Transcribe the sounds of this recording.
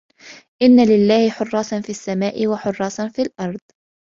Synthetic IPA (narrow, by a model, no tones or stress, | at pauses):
ʔɪnːalɪlːaːhɪħʊrˤːɑːsˤɑnfiːʔasːamaːʔɪwaħʊrˤːɑːsɑnfiːlʔɑɾˤd̪̚ˤ